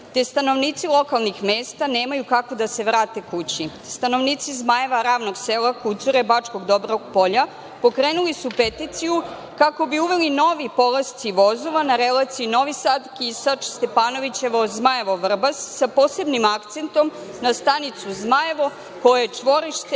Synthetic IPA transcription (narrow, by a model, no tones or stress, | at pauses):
t̪est̪ano̞ʋniːt̪silˠo̞kalˠnixmeːst̪ane̞ːmajukako̞d̪ase̞ʋɾaːt̪e̞kut͡ɕi | st̪ano̞ʋniːt̪sizmaje̞ʋaɾaːʋno̞ɡselˠakut̪suɾe̞bat͡ʃko̞ɡd̪o̞bɾooɡpo̞ʎa | po̞kɾeːnulisupet̪it̪siju | kako̞biuʋe̞lino̞ʋipo̞last̪siʋo̞zoʋanaɾelˠat̪siino̞ʋisad̪kisat͡ʃst̪e̞paːno̞ʋit͡ɕe̞ʋozmaje̞ʋo̞ʋr̩basːapo̞ːse̞bnimakt̪se̞nt̪o̞m | nast̪anit̪suzmaje̞ʋo̞ | kojat͡ʃʋo̞ɾiʃt̪e